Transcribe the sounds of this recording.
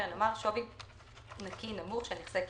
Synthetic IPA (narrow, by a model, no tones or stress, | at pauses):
anomaʁʃovi | nakinamuχʃeniχz̥ek